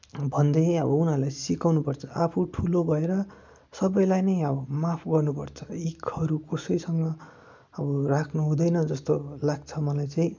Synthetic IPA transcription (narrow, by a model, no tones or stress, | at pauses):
bʱʌnd̪ʌjʌbʌunɦaɾlajsikawnupʌrt͡sʰʌ̥apʰuʈʰulobʱʌeɾʌ | sʌbʌjlajnʌjʌbʌmapʰɡʌrnupʌrt͡sʰʌ̥ikʰʌɾukʌsʌjsʌŋɡʌ | ʌbʌrakʰnuɦũd̪ʌjnʌd͡zʌst̪olaɡ̚t͡sʰʌmʌlajt͡saĩ